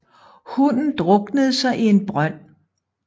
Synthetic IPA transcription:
hunn̩d̥ʁɔ̽ɡ̥nəð̞̩ˠsɑ̈ɪʔie̝nb̥ʁɶn̰

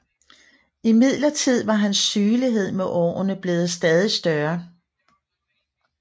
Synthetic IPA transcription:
imið̞̰ˠlɐt͡sʰið̞̰ˠʋɑ̈ɦænsːyːliɦe̝ð̞̰ˠmeʔɒ̰ːnəb̥le̝ːð̞̩ˠsd̥ɛːð̞ˠisd̥ɶɐ

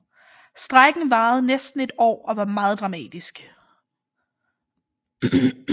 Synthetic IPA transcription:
sd̥ʁaɡ̥n̩ʋɑ̈ːð̞̩ˠnesd̥n̩e̝d̥ɒ̰ːɒ̽ʋɑ̈mɑ̈ːð̞̩ˠd̥ʁɑ̈mɛ̰ːd̥isɡ̥

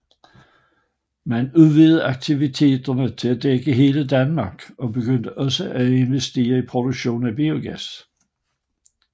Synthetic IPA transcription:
mænuðˠʋiːð̞̩ˠɑ̈ɡ̥̚t͡sʰiʋit͡sʰe̝̰ːd̥ɐnət͡sʰe̝læd̥eɡ̥əɦe̝ːləd̥ænmɑ̈ɡ̥ɒ̽b̥e̝ɡ̥øn̰d̥əʔɒ̽səʔæe̝nʋesd̥e̝̰ːɐipʰʁo̝d̥oɡ̥ɕo̝̰ːnæb̥io̝ɡ̥æs

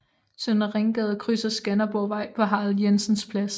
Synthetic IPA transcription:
sønɐʁeŋɡ̥ɛðˠkʰʁysɐsɡ̥ænɐb̥ɒʋɑ̈ɪ̰pʰɒ̽ɦɑ̈ːð̩ˠjensənspʰlæs

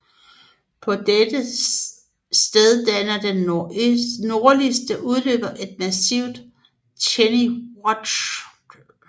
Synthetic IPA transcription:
pʰɒ̽d̥ed̥ə | sd̥eð̞ˠd̥ænɐden | no̝ɐlisd̥əʔuð̞ˠlø̰ːb̥ɐʔe̝d̥̚mæsiʊ̰d̥ | t͡ɕʰeniwɒ̥

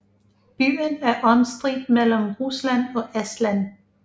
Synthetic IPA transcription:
b̥y̰ːnæɐʔɒnsd̥ʁid̥mel̰m̩ʁuslæn̰ɒ̽esd̥læn

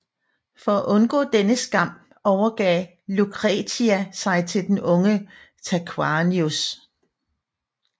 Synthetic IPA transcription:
fɒ̽æʔɔ̽nɡ̥ɔ̰̽ːd̥enəsɡ̥ɑ̈m̰ | ɒʊɐɡ̥ɛː | lukʰʁɛt͡sʰiæsɑ̈ɪt͡sʰe̝ld̥enɔ̽ŋə | t͡sʰækʰwɑnius

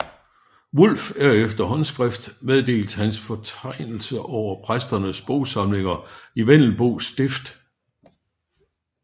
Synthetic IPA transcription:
ʋul̰fæɐefd̥ɐɦɒ̽nsɡ̥ʁɛfd̥meðˠd̥e̝̰ːld̥hænsfɒ̽t͡sʰɑ̈ɪnl̩səʔɒʊ̰ɐpʰʁasd̥ɐnəsb̥o̝ʊsɑ̈mle̝ŋɐiʋen̰l̩ˠb̥o̝ːsd̥e̝fd̥

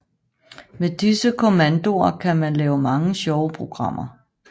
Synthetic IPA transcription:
med̥isəkʰomænd̥o̝ɐkʰæmænlɛːʊmɑ̈ŋəɕɒʊəpʰʁoɡ̥ʁɑ̈m̰ʔɐ

